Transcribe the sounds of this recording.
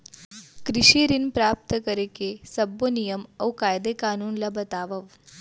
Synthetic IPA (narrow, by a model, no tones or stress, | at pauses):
kɾiɕiɾinpɾaːp̚t̪əkəɾekesɐbːonijɐmɐwkaːjd̪ekaːnuːnlɐbɐt̪aːʋɐʋ